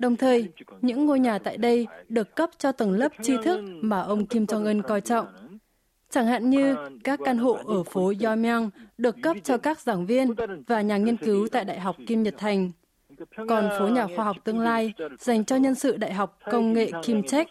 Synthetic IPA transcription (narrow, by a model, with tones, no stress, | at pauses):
ɗə˨˩wŋ͡mt̪ʰəː˨˩jɲɨ̰˧˥ŋːo˧jɲaː˨˩t̪a̰ː˧˨jɗə˧jɗɨ˨˩əkːə˦˥p̚t͡ɕɔ˧t̪ə˨˩nlə˦˥p̚t͡ɕi˧t̪ʰɨ˦˥k̚maː˨˩ʔə˧wŋ͡mki˧mt͡ɕɔ˧ŋʔə˧nkɔ˧jt͡ɕɔ̰˧˨wŋ͡m | t͡ɕa˧˩ŋha̰ː˧˨ŋɲɨ˧kaː˦˥kːaː˧nɦo̰˧˨ʔəː˧˩fo˨˦zɔ˧m˧a˧ŋɗɨ˨˩əkːə˦˥p̚t͡ɕɔ˧kaː˦˥k̚zaː˧˩ŋvi˧ənvaː˨˩ɲaː˨˩ŋi˧ənkɨ˨˦wt̪a̰ː˧˨jɗa̰ː˧˨jɦa˨˩wk͡p̚ki˧mɲə˨˩t̚t̪ʰa˨˩jŋ̟ | kɔ˨˩nfo˨˦ɲaː˨˩xwaː˧ɦa˨˩wk͡p̚t̪ɨ˧əŋlaː˧jza˨˩jŋ̟t͡ɕɔ˧ɲə˧nsɨ̰˧˨ɗa̰ː˧˨jɦa˨˩wk͡p̚kə˧wŋ͡mŋḛ˧˨ki˧mt͡ɕɛ˦˥k̚